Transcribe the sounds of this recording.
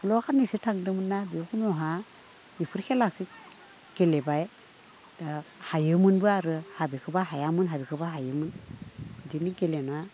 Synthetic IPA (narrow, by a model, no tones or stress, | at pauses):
kʰɯlɔakʰanːisɯtʰaŋdɯmɯnːabikʰɯmɔɦa | ipʰɯɾkʰelakʰɯk̚ | ɡ̥elebaj | dahajɯmɯnbɯaɾɯhabikʰɯbaɦajamɯnɦabikʰɯbaɦajɯmɯn | diniɡelena